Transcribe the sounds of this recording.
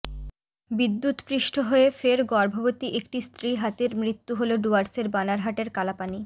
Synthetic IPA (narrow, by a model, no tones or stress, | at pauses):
bid̪ːut̪pɾiʃʈʰoɦoefeɾɡɔɾbʱoɡot̪iʔek̚ʈist̪ɾiɦat̪eɾmɾit̪ːuɦoloɖuaɾseɾbanaɾɦaʈeɾkalapani